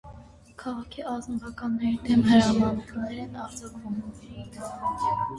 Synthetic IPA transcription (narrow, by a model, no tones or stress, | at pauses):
kʰɑʁɑkʰiɑznɔvɑkɑnːɛɾid̪ɛmɦəɾɑmɑnɛknɛɾɛnɑɾd͡zɑkvum